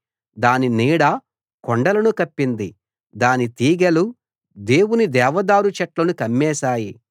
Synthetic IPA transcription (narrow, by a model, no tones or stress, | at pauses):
d̪aːniniːɽɐ | koɳɖɐlɐnukɐpːind̪i | d̪aːnit̪iːɡelu | d̪eːwunid̪ɛːʋɐd̪aːɾut͡ʃɐʈlɐnukɐmːɛːsaːji